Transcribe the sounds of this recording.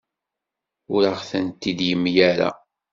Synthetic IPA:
ʊɾaʁθənt̪ːid̪jəmːjæɾa̰

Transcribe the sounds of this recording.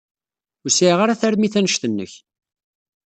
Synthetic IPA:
ʊɾsiʁaɾaθæɾmiθænəʃt̪ənːə̰ç

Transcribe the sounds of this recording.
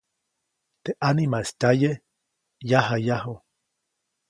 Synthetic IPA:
t̪eʔanimaest̪aje | jaɦajaɦo

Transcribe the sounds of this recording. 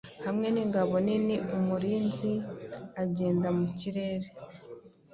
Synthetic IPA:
hamŋe̞niŋɡaβo̞niniumuɾiːnziaɟe̞ːndamuciɾe̞ɾe

